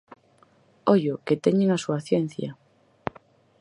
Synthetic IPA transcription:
oʎoket̪eɲeŋasuaθjen̟θja

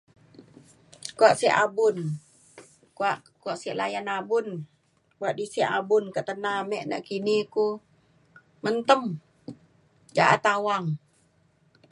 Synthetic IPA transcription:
kuaʔsiaʔabʊn | kuaʔ | kuaʔsiaʔlajanabʊn | buaʔdisiʔabʊnkəʔt̪ənamɛʔna̰ʔkiniku | mənt̪əm | d͡ʒaʔa̰t̪awaŋ

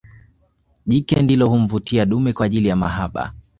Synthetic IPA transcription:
ʄikɛndilɔhum̩vutiaɗumɛkwaːʄilijama̰ɦaɓa̰

